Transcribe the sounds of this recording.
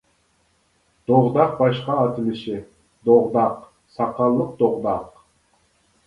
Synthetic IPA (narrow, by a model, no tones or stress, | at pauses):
d̪̥oʁd̪ɑq̚bɑʃqɑːt̪ɪmɪʃɪ | d̪oʁd̪ɑq | sɑqɑlˠːəq̚d̪oʁd̪ɑq